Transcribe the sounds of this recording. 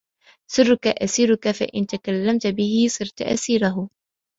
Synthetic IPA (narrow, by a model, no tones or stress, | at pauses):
sˤɨrːʊkaʔasiːɾʊkafa̰ʔɪnt̪akalːamt̪bɪhɪsˤɨɾt̪ʔa̰siːɾaɦʊ